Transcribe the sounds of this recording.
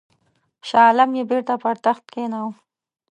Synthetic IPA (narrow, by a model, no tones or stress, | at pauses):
ʃɑːlamjebeɾt̪apaɾt̪axt̪kenaw